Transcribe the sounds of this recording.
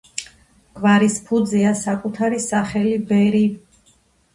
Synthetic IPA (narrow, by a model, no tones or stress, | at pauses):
ɡ̥vaɾispʰud̪ziasakʼut̪ʰaɾisaχɛlibɛɾi